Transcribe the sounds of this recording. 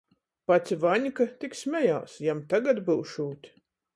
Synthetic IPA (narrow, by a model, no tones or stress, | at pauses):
pat̪sʲivaɲʲkat̪ʲiksmʲɛjawsjamt̪aɡat̪bɨwʃuːt̪ʲi̥